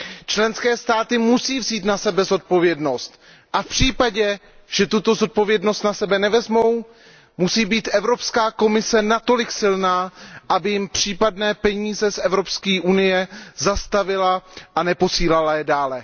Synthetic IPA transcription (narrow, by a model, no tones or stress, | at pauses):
t͡ʃlɛnskɛːst̪aːt̪ɪmusiːvziːt̪nasɛbɛzo̞t̪̚po̞vjɛdno̞st̪ | ʔafpr̝̥iːpaɟɛ | ʒ̥ɛt̪ut̪o̞zo̞t̪̚po̞vjɛdnost̪nasɛbɛnɛvɛzmo̞w | musiːbiːt̪ʔɛvɾo̞pskaːko̞mɪsɛnat̪o̞lɪksɪlnaːʔabɪjɪmpr̝̥iːpadnɛːpɛɲiːzɛsʔɛvɾo̞pskiːʔunɪjɛzast̪avɪlaʔanɛpo̞siːlalajɛdaːlɛ